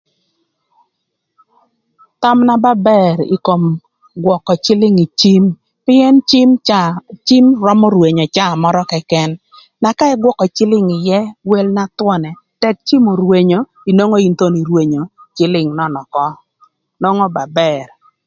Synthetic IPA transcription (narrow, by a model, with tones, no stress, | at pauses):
ta˦mna˦ba˦bɛ˦ɾi˨ko˨m | ɡwɔ˨kɔ˨t͡ʃɪ˦lɪ˦ŋi˨t͡ʃi˦m | pɪ˦ɛ˦ni˦mt͡ʃi˦mɾɔ˦mɔ˦ɾwe˨ɲɔ˨t͡ʃa˦˨mɔ˦ɾɔ˦kɛ˨kɛ˦nː | a˨ka˦ɛ˦ɡwɔ˦kɔ˨t͡ʃɪ˦lɪ˦ŋɪ˨jɛ˦we˦lna˦twɔ˦nɛ˨ | tɛ˦k̚t͡ʃi˦mo˨ɾwe˨ɲo˨ | i˨no˦ŋo˦i˨nt̪o˦ni˨ɾwe˨ɲo˨t͡ʃɪ˦lɪ˦˨ŋnɔ˦nɔ˨kɔ˦ | no˦ŋɔ˦ba˨bɛ˨ɾ